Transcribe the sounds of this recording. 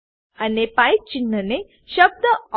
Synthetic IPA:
anepaj̚t͡ɕinːəne | ɕəb̚d̪ə

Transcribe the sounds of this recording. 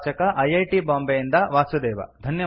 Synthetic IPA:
t͡ʃɐkɐʔɐjɐjʈibaːmbɐjind̪ɐʋaːsud̪ɛːʋɐ̰d̪ʱɐnjɐ

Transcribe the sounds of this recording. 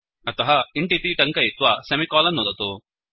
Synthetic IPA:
ɐt̪ɐɦɐiɳʈit̪iʈɐŋkɐit̪ʋasɐmikɔːlɐnːɔd̪ɐt̪u

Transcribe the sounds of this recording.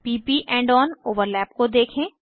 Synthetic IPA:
piːpiʔɛ̃ːɳɖɔːnoːʋəɾlɛːpkod̪eːkʰẽː

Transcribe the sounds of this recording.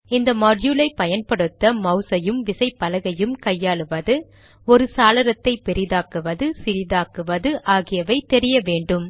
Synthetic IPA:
ɪnd̪ɐmɐɖjulɐɪpɐjɐnpɐɽɯt̪ːɐmɐʊsɐjɯmʋɪsɐɪpːɐlɐɣɐjɯmkɐjːaːɭɯʋɐðɯ | ɔɾɯsaːlɐɾɐt̪ːɐɪpɛɾɪðaːkɯʋɐðɯsɪɾɪðaːkɯʋɐðɯʔaːɣɪjɐʋɐɪt̪ːɛɾɪjɐʋeːɳɖɯm

